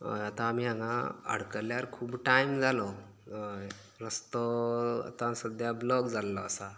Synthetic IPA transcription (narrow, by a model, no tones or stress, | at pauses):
ɦo̰jat̪ãːmiːãŋaə̰ɽkəljaɾkʰuːbʈajmd͡zalɔ | ɦoj | ɾəst̪ɔa̰t̪ãsəd̪jablɔɡd͡zalːɔasa